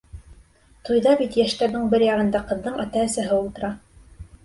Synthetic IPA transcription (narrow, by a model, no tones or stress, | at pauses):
t̪ujðɑbit̪jæʃt̪æɾðɘɴbɘɾjɑʁɤ̆nd̪ɑqɤ̆ðːɤɴæt̪æɘ̆sæɦɘulˠt̪ɤ̆ɾɑ